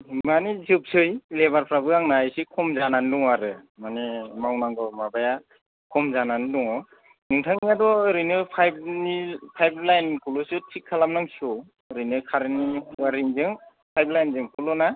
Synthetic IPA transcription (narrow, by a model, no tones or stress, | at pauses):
manizɯp̚sɯjleβaɾpʰɾabɯaŋnajsikʰɔmzananduŋaɾɯmanemawnaŋɡɔwmabaja | kʰɔmzananduŋɔ | nɯŋtʰaŋiadɔɾɯjnɯpʰajb̚nipʰajblajnkulɔsɯtʰikʰːalamnaŋsɔ | ɾɯjnɯkʰaɾniwaɾiŋzɯŋ | pʰajblajnzɯŋkʰulɔna